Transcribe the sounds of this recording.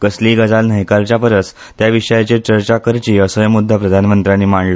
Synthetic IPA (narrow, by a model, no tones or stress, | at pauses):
kəsliːɡəd͡zalnəɦjkaɾt͡ɕapəɾət͡s | t̪jaʋiʂəjat͡ɕet͡ɕəɾt͡ɕakəɾt͡ɕiːəsojəmud̪ʱːapɾəd̪ʱanmənt̪ɾanːiːmaɳɖlə